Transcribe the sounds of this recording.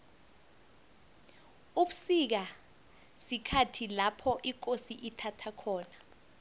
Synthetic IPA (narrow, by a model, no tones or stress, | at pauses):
uɓusik̬a | sikʰatʰilapʰɔʔik̬osiʔitʰatʰakʰɔːna